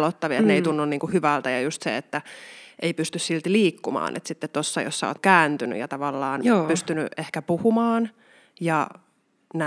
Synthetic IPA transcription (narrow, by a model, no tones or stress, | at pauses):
lot̪ːɑʋiɑt̪neit̪unːunniːŋkuhyʋælt̪æjɑjust̪sḛet̪ːæʔeipyst̪yssilt̪liːkːumɑ̰ːnʔḛt̪sit̪ːet̪t̪osːɑjo̰sːɑo̰t̪kæːnt̪yny̰jɑ̰t̪ɑʋɑlːɑːnːpyst̪yny̰ʔehkæpuhumɑːn | jɑ | næ